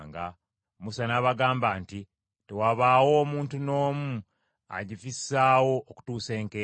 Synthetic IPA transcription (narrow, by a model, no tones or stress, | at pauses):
ŋɡa | musanaːβaɡaːmbaːnti | tewaβaːwo̞ːmuːntuno̞ːmu | a̰ɟifisːaːwo̞ːku̥tuːse̞ːŋke